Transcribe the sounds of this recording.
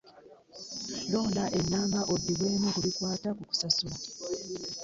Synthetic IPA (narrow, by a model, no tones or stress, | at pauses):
lo̞ːndaʔe̞ɲːaːmbaʔod̪ːiβweːmukulikwaːtakuku̥sasula